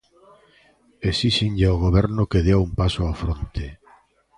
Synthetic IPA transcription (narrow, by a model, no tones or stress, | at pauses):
esisiɲʎaoɣ̞oβɛɾnokeðeaumpasoafɾont̪e